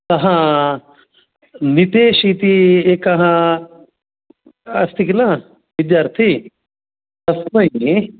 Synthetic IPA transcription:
tɐɦã | nit̪eːʃiːt̪iekɐɦã | ɐst̪iklã | ʋɪd̪jaːɾt̪ʰi | d̪ɐsmɐi

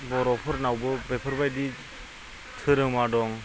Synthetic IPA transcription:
bɔɾɔpʰɯɾnawbɯbepʰɯɾbajdi | tʰɯɾɯŋmadɔŋ

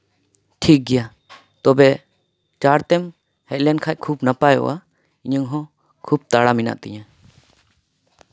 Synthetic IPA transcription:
ʈʰik̚ɡɛja | t̪ɔbɛ | t͡ʃaɾt̪ɛm | hɛʔlɛnkʰaj̚kʰubnapajɔ̰ʔa | iɲəŋɦɔ̃ | kʰub̚t̪aɽamina̰ʔt̪ḭɲã

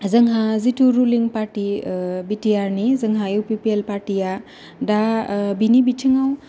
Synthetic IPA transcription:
zəŋɦãziʈʰuɾuliŋpaɾʈibitijaɾnizəŋɦajupipielpaɾʈija | ɖabinibitʰiŋaw

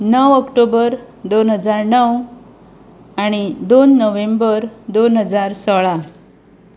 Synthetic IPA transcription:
nəʋəkʈobəɾ | d̪onɦəd͡zaɾnəw | aɽ̃id̪onːəʋembəɾd̪onɦəd͡zaɾsɔɭa

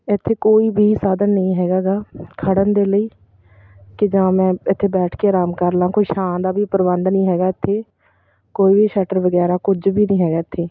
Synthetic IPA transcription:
ɪt̪ʰːeːkoːiːbʱiːsaːd̪ənːəĩːɦɛːɡaːɡaːkʰəɽənd̪eːləiː | kɪd͡ʒãːmɛ̃ːɪt̪ʰːeːbɛːʈʰkeːɾaːmkəɾlãːkoːiːʃaːnd̪aːbʱiːpəɾbənd̪nəĩːɦɛːɡaːɪt̪ʰːeː | koːiːbiːʃɛːʈəɾʋəɡɛːɾaːkʊd͡ʒbʱiːnə̃ĩːɦɛːɡaːɪt̪ʰːeː

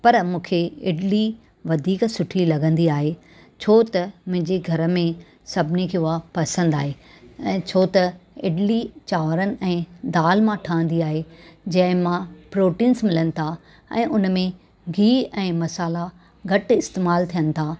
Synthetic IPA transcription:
pɐɾmũːkʰeɪ̰ɖli | ʋɐd̪ʱiːksʊʈʰilɐɡə̃nd̪iaːɦe | t͡ɕʰoːt̪ɐmʊ̃ɦɪ̃ɲd͡ʑeɡʱɐɾə̆mẽ | sɐbʱɪnikʰeːʊapɐsə̃nd̪a̰ːɦe | ɛ̃ːt͡ɕʰoːt̪ɐɪɖlit͡ɕaːʋɾənɪ̆ʔɛ̃ːd̪aːlmãʈʰaːə̃nd̪iaːɦed͡ʑɐ̃ɦɪ̃mãpɾoːʈĩːnsmɪlənɪ̆t̪ʰa | ɛ̰̃ːʔʊnmẽ | ɡʱiːɛ̃ːmɐsaːla | ɡʱɐʈɪst̪eːmaːlt̪ʰijənɪ̆t̪ʰa

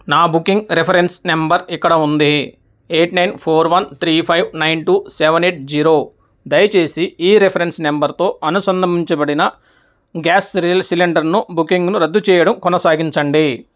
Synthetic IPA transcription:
naːbukiŋɡɾepʰɐɾensnembɐɾikːɐɽɐund̪i | eːʈnɐjnpʰoːɾʋɐnt̪ʰɾiːpʰɐjʋnɐjnʈuːseʋɐneːʈ̚d͡ʒiːɾoː | d̪ɐjɐt͡ʃe̞ːsiiːɾepʰɐɾensnembɐɾt̪o̞ːɐnusɐnd̪ʱɐmiɲt͡ʃɐbɐɽinɐ | ɡaːslsiliɳɖɐɾnubukiŋɡnuɾɐd̪ːut͡ʃɛːjɐɽɐmkɔnɐsaːɡiɲt͡ʃɐɳɖi

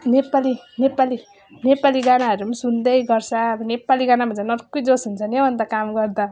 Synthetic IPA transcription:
nepalinepali | nepaliɡanaɦʌɾumasund̪ʌjɡʌrt͡sʰʌbʌnepaliɡanabʱʌnt͡sanʌrkːojd͡zosɦunt͡sʰʌnʌwʌnd̪akamɡʌrd̪a

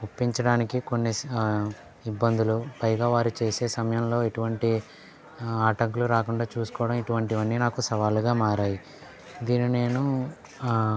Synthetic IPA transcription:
ɡupːiɲt͡ʃɐɽaːnikiko̞nːi | ibːɐnd̪ulupɐjɡaːʋaːɾut͡ʃe̞ːse̞ːsɐmɐjɐmlo̞ːeʈuʋɐɳʈi | aːʈɐŋk̬uluɾaːkuɳɖaːt͡ʃuːsu̥kɔːʋɐɽɐmiʈuʋɐɳʈiʋɐnːinaːkusɐʋaːluɡaːmaːɾaːji | d̪iːnine̞ːnu

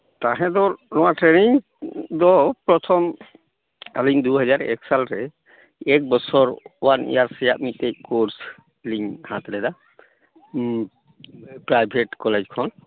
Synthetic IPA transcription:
t̪aɦɛ̃d̪ɔnɔ̃waʈɾeniŋ | d̪ɔpɾɔt̪ʰɔm | aliɲd̪uɦɔd͡ʒaɾɛ̰ksalɾɛ | ɛk̚bɔsʰɔɾwanḭjaɾsɛjaʔmit̪̚ec̚koɾs | liɲhat̪ɾɛd̪a | pɾajbʱeʈkɔled͡ʒkʰɔn

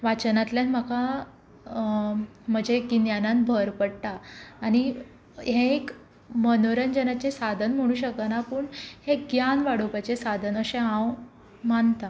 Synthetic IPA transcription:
ʋat͡ɕənat̪ljanm̤əka | m̤əd͡ʑekinjananbʱəɾpəɽt̪aːɽ̃i | ɦẽek | mənoɾənd͡ʑənat͡ɕesad̪ʱənm̤əɽ̃uːɕəkənapəːɳheɡjanʋaɽopat͡ɕesad̪ʱənəɕẽɦãw | mant̪a

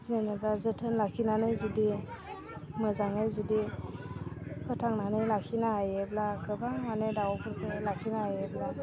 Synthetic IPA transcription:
zenebazɯtʰənlakʰinanɯjzudi | mɯzaŋɯjzudi | pʰɯtʰaŋnanɯjlakʰinaajeblakʰɯbamanedawɔpʰɯɾpʰɯlakʰinaajebla

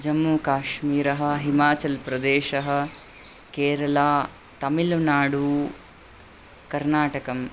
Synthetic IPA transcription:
d͡ʒɐmːuːkaːʃmiːɾɐɦɐ̆ɦimaːt͡ʃɐlpɾɐd̪eːʃɐɦɐ̆ | keːɾɐlaː | t̪ɐmilʋnaːɽu | kɐɾnaːʈɐkɐm

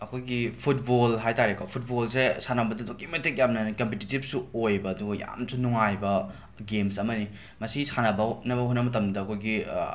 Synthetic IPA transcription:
ɐkʰojɡipʰut̚bolɦajtaɾekopʰut̚bolsesanɐbɐdɐdokimɐtek̚jamnɐnkɐmpetitip̚suojbɐːduɡɐja̰msunuŋajbɐ | ɡemsɐmɐni | mɐsisanɐbɐnɐbɐɦonɐmɐtɐmdɐɐkʰojɡi

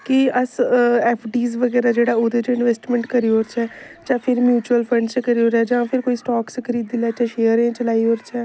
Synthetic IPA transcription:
kiəsɛːpʰɖiːzʋəɡɛːɾaːd͡ʒeːɽaːoːd̪et͡ʃɪnʋeːsʈmɛ̃ɳʈkəɾioːɾt͡ʃɛːt͡ʃaːpʰɪɾmjuːt͡ʃuəlpʰə̃ɳɖt͡ʃkəɾioːɾɛːd͡ʒãːpʰɪɾkoːiːsʈɔːksəkʰəɾiːd̪ilɛːt͡ʃaʃejəɾẽːt͡ʃəlaːioːɾt͡ʃɛː

